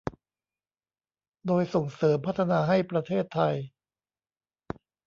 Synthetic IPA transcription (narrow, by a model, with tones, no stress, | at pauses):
doː˧jso˨˩ŋsɤː˩˦mpʰa˦˥t̪ʰːa˧naː˧ɦa˥˩jpɾa˧t̪ʰeː˥˩t̪ʰːa˧j